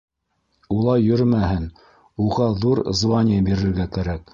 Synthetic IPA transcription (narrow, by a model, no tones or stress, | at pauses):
ulˠɑjːɵ̆ɾmæhɘn | uʁɑðuɾzvɑnʲɪjabiɾɘ̆ɾɡækæɾæk̚